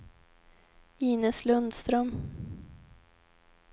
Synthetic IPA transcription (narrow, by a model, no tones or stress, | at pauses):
iːnəslɵnd̪st̪ɾœm